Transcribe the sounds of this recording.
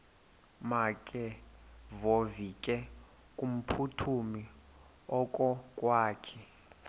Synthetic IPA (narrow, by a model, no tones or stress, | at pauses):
makʼɛvovikʼɛ | kʼum̩pʰutʰumi | ɔkʼɔkʼwaːkʰɛ